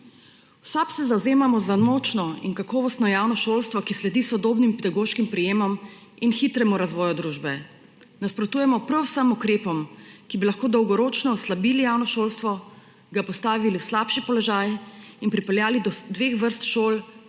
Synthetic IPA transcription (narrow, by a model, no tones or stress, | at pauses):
wsapsɛzawzeːmamɔzanot͡ʃnɔḭnkakɔːʋɔst̪nɔjaːwnɔʃoːlst̪ʋɔkislɛd̪isɔd̪oːbnimpɛd̪aɡoːʃkimpɾɛjeːmɔm | inxiːt̪ɾɛmuɾazʋɔːjud̪ɾuːʒbɛ | naspɾɔt̪uːjɛmɔpɾɔwsəmukɾeːpɔmkibilaxkoːd̪ɔwɡɔɾoːt͡ʃnɔːslabiːlijawnɔʃoːlst̪ʋɔ | ɡapɔst̪aːʋiliwslaːpʃipɔlɔʒaːjinpɾipɛljaːlid̪ɔd̪ʋexʋəɾst̪ʃoːl